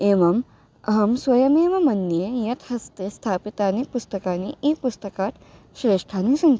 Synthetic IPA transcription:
eːʋɐm | ɐɦɐmsʋɐjɐmeːʋɐmɐnːjejɐt̪hɐst̪est̪ʰaːpit̪aːnipust̪ɐkaːniʔiːpust̪ɐkaːt̪ | ʃɾeːʂʈʰaːnisɐn

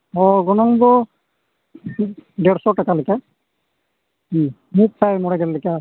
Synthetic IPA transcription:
ɔɡɔnɔŋbɔ | ɖɛɽsɔʈakalaka | i | muk̚sʰajmɔɽaɡɛllɛka

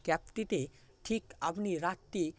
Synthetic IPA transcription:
kɛpt̪it̪e | ʈʰiːkapniɾat̪ːi

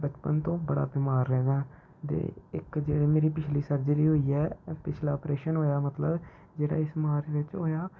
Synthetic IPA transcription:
bət͡ʃpənt̪õːbəɽa̰ːbɪːmaːɾlɛ̃ːd̪aː | t̪ḛːɪ̰kd͡ʒeːɽeːmeːɾiːpɪt͡ʃʰliːsəɾd͡ʒəɾiːɦoːiːɛːpɪt͡ʃʰlaːpɾeːʃənɦoːjaːmət̪ləb | d͡ʒeːɽa̰ːɪsmaːɾʋɪt͡ʃɦoːjaː

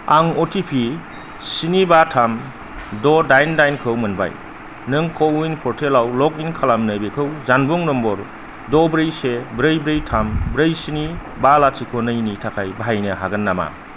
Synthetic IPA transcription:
aŋɔtʰipʰi | sinibatʰam | dɔdajndajnkʰɯwmɯnba̰j | nɯŋkowinpʰɔɾtʰelawlɔkinkʰalamnɯjbekʰɯwzanbɔŋnɔmbɔɾ | dɔbɾɯjsebɾɯjbɾɯjtʰambɾɯjsini | balatʰikʰɔnɯjnitʰakʰajbaɦajnɯɦaɡɐnːama̰

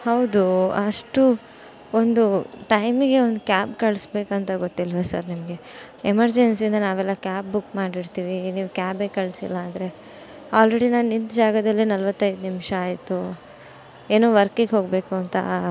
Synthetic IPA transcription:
hɐwd̪uɐʂʈu | ond̪uʈɐjmiɡe̞ond̪ukʲaːpkɐɭsbe̞ːkuɐnt̪ɐɡot̪ːilʋɐsɐɾnimɐɡe̞ | emɐɾd͡ʒensind̪ɐnaːʋɛlːɐkʲaːp̚bukmaːɽiɽt̪iːʋiniːʋukʲaːbeːkɐɭsḭlːɐːd̪ɐɾe̞ | aːlɾeɽinaːnnint̪d͡ʒaːɡɐd̪ɐlːinɐlʋɐt̪ːɐjd̪nimʂɐaːjt̪u | e̞ːnoːʋɐɾkiɡɦo̞ːɡbe̞ːkuɐnt̪ɐ̰

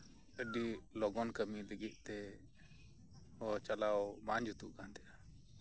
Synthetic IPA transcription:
əɖilɔɡɔnkəmiləɡit̪̚ˀt̪ɛ | ɔt͡ʃalawmaɲd͡ʒʱut̪uʔkant̪ɛja

